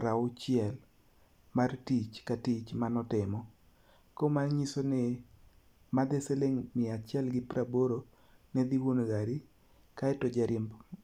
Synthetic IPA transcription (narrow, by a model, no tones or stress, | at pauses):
ɾaʊt͡ʃɪɛl | martit͡ʃkatit͡ʃmanɔtɪmɔ | komaɲisonɪ | mad̪eseleŋmɪat͡ʃɛlɡɪpɾaboɾo | nɛd̪iwonɡaɾi | kaɛtod͡ʒaɾɛmb